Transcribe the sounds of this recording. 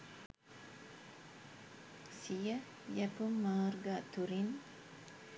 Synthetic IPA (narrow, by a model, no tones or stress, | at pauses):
sijə | jəpumːəːɾɡat̪uɾin